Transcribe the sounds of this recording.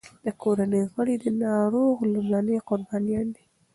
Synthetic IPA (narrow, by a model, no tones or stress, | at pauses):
d̪̥əkʰoɾanəjɣəɽed̪ənɑɾoɣlumlɑnəjqʊɾbɑnijɑnd̪i